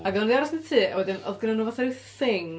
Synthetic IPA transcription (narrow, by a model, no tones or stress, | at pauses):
aɡɛlˠanðiaɾɔsnətʰiːʔawɛdɪnɔ̰ðɡɪnanuːvaθaɪθɪŋ